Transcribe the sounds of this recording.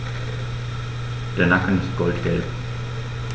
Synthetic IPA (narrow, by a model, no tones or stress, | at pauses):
d̥eːɐnakn̩ɪst̚ɡ̥ɔltɡ̥ɛlp